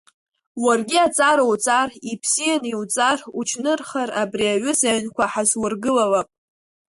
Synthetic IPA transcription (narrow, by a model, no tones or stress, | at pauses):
warɡʲiat͡sʼaɾowt͡sʼaripʰsijaniwt͡sʼarut͡ʃʰnɨrχarabriaʕʷʊsaɥnkʷaħazwʊrɡɨlalapʼ